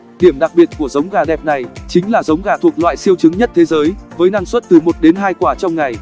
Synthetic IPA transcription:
ɗi˧˩əmɗa˨˩k̚ɓi˨˩ət̚ku˧˩əzə˨˦wŋ͡mɣaː˨˩ɗɛ˨˩p̚na˨˩jt͡ɕï˨˦ŋ̟laː˨˩zə˨˦wŋ͡mɣaː˨˩t̪ʰu˨˩ək̚lwa̰ː˧˨jsi˧əwt͡ɕɨ˨˦ŋɲə˦˥t̚t̪ʰe˨˦zəː˨˦jvəː˨˦jnaː˧ŋswə˦˥t̚t̪ɨ˨˩mo˨˩t̚ɗe˨˦nɦaː˧jkwaː˧˩t͡ɕɔ˧wŋ͡mŋa˨˩j

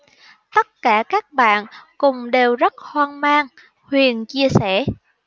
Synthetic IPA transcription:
t̪ə˦˥t̚kaː˧˩kaː˦˥k̚ɓa̰ː˧˨nkʊ˨˩ŋ͡mɗe˨˩wzə˦˥t̚hwaː˧nmaː˧ŋ | hwi˨˩ənt͡ɕi˧əsɛ˧˩˨

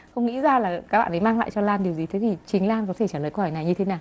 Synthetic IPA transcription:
xə˧wŋ͡mŋḭ˧˥zaː˧laː˨˩kaː˨˦˥k̚a̰ː˧˨ʔə˨˦jmaː˧ŋla̰ː˧˨jt͡ɕɔ˧laː˧nɗi˨˩əwzi˨t̪ʰe˨˦t̪ʰi˨˩t͡ɕï˨˦ŋ̟laː˧nkɔ˨˦e˧˩t͡ɕaː˧˩ləː˨˩jkə˧hɔ˧˩jna˨˩jɲɨ˧e˨˦naː˨˩w

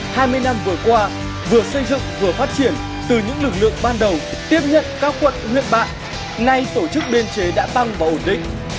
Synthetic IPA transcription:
haː˧jmɨ˧əjna˧mvɨ˨˩əkwaː˧ | vɨ˨˩əsə˧jzɨ̰˧˨ŋvɨ˨˩əfaː˦˥t̚t͡ɕi˧˩ən | t̪ɨ˨˩ɲɨ̰˧˥ŋlɨ˨˩k̚lɨ̰˧˨ə˨ŋɓaː˧nɗə˨˩w | t̪i˦˥əp̚ɲə̰˧˨nkaː˦˥k̚xwə̰˧˨nhwḭ˧˨ənɓa̰ː˧˨n | na˧jt̪o˧˩t͡ɕɨ˦˥k̚ɓe˧nt͡ɕe˨˦ɗa̰ː˧˥t̪a˧ŋvaː˨˩ʔo˧˩nɗḭ̈˧˨ŋ̟

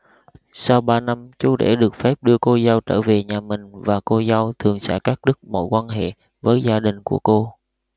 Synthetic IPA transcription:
sa˧wɓaː˧na˧mt͡ɕu˨˦ɗḛ˧˩ɗɨ˨˩ək̚fɛ˦˥p̚ɗɨ˧əko˧za˧wt͡ɕəː˧˩ve˨˩ɲaː˨˩mï˨˩ŋ̟vaː˨˩ko˧za˧wt̪ʰɨ˨˩əŋsɛ̰ː˧˥˩kaː˦˥k̚ɗɨ˦˥k̚mo̰˧˥˩jkwaː˧nɦḛ˧˨ | vəː˨˦jzaː˧ɗï˨˩ŋ̟ku˧˩əko˧

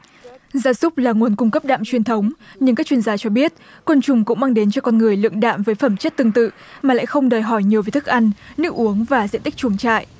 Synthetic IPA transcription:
zaː˧˩zʊ˦˥k͡p̚laː˨˩ŋu˨˩ənkʊ˧ŋ͡mkə˦˥p̚ɗa̰ː˧˨mt͡ɕwi˨˩ənt̪ʰə˨˦wŋ͡mɲɨ˧ŋkaː˦˥k̚t͡ɕwi˧ənzaː˧t͡ɕɔ˧ɓi˦˥ət̚kwə˧nt͡ɕʊ˨˩ŋ͡mkʊ̰˧˥ŋ͡mmaː˧ŋɗe˨˦nt͡ɕɔ˧kɔ˧nŋɨ˨˩əjlɨ̰˧əŋɗa̰ː˧˨mvəː˨˦jfə˧˩mt͡ɕə˦˥t̚t̪ɨ˧əŋt̪ɨ̰˧˨ | maː˨˩la̰ː˧˨jxə˧wŋ͡mɗəː˨˩jɦɔ˧˩jɲi˨˩əwveː˨˦jt̪ʰɨ˦˥k̚ʔa˧jŋ̟nɨ̰˧˥ʔu˨˦əŋvaː˨˩zḭ˧˨nt̪i˦˥k̚t͡ɕu˨˦əŋt͡ɕa̰ː˧˨ʔ

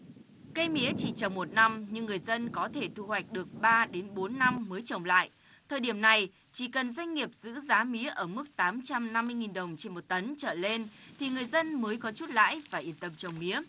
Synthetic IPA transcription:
kə˧jmḭ˧˦ət͡ɕi˧˩t͡ɕə˨˩wŋ͡mmo˨˩t̚na˧mɲɨ˧ŋːɨ˨˩əjzə˧nkɔ˨˦t̪ʰe˧˩t̪ʰu˧hwa˨˩jk̟̚ɗɨ˨˩ək̚ɓaː˧ɗe˨˦nɓo˨˦nːa˧mːəː˨˦jt͡ɕə˨˩wŋ͡mla̰ː˧˨jʔ | t̪ʰəː˨˩jɗi˧˩əmna˨˩j | t͡ɕi˧˩kə˨˩nzwa˧jŋ̟ŋi˨˩əp̚zɨ̰˧˥zaː˨˦mḭ˧˦əʔəː˧˩mɨ˦˥k̚t̪aː˨˦mt͡ɕa˧mna˧mːɨ˧jŋi˨˩nɗə˨˩wŋ͡mt͡ɕe˧nmo˨˩t̚t̪ə˨˦nt͡ɕə̰ː˧˨le˧nt̪ʰi˨˩ŋɨ˨˩əjzə˧nməː˨˦jkɔ˨˦t͡ɕu˦˥t̚la̰ː˧˨jvaː˨˩ʔi˧˩ətt̪ə˨˩mt͡ɕə˨˩wŋ͡mmḭ˧˦ə

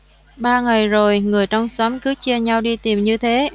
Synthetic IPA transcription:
ɓaː˧ŋa˨˩jzo˨˩jŋɨ˨˩əjt͡ɕɔ˧wŋ͡msɔ˨˦mkɨ˨˦t͡ɕi˧əɲa˧wɗi˧t̪i˨˩mɲɨ˧t̪ʰe˨˦

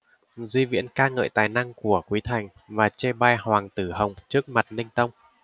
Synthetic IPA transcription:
zi˧vḭ˧˥ənkaː˧ŋə̰ː˧˨jt̪aː˨˩jna˧ŋku˧˩əkwi˨˦t̪ʰa˨˩jŋ̟ | vaː˨˩t͡ɕe˧ɓa˧jhwaː˨˩ŋt̪ɨ˧˩hə˨˩wŋ͡mt͡ɕɨ˦˥ək̚ma˨˩t̚nï˧ŋ̟t̪ə˧wŋ͡m

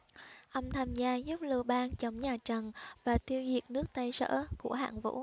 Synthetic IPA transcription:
ʔə˧wŋ͡mt̪ʰaː˧mzaː˧zu˦˥p̚lɨ˧əɓaː˧nt͡ɕə˨˦wŋ͡mɲaː˨˩t͡ɕə˨˩nvaː˨˩t̪ʰi˧əwzi˨˩ət̚nɨ˦˥ək̚t̪a˧jsə̰ː˧˥ku˧˩əɦa̰ː˧˨nvṵ˧˥

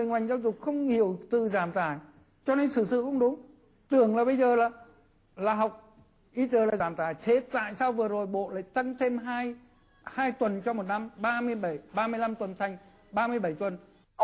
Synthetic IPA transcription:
ɨ˨jŋwa˨˩jŋzaː˧wzʊ˨˩k͡p̚xə˧wŋ͡mhi˧˩əwt̪ɨ˨˩zaː˧˩mt̪aː˧˩j | t͡ɕɔ˧ne˧nsɨ˧˩sɨ̰˧˨xə˧wŋ͡mɗʊ˨˦ŋ͡m | t̪ɨ˨˩əŋlaː˨˩ɓə˧jzəː˨˩laː˨˩ | laː˨˩ɦa˨˩wk͡p̚ | ʔi˧zəː˨˩laː˨˩zaː˧˩mt̪aː˧˩jt̪ʰe˨˦t̪a̰ː˧˨jsaː˧wvɨ˨˩əzo˨˩jɓo̰˧˨la̰ː˧˨jt̪a˧ŋt̪ʰe˧mɦaː˧j | haː˧jt̪wə˨˩nt͡ɕɔ˧mo˨˩t̚na˧mɓaː˧mɨ˧əjɓə˧˩jɓaː˧mɨ˧əjla˧mt̪wə˨˩nt̪ʰa˨˩jŋ̟ | ɓaː˧mɨ˧əjɓə˧˩jt̪wə˨˩n

